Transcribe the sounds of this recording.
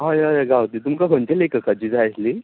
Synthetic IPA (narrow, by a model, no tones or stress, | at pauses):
ɦãjajaɡʱawt̪it̪̬umkaɡʱəɳt͡ɕelekəkad͡ʑiːd͡zʱajsli